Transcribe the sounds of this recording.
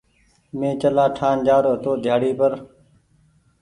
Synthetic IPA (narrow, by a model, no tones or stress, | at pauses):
mẽːt͡ʃəlaːʈʰaːnd͡ʒaːɾoːt̪oːd̪ʱjaːɽiːpəɾ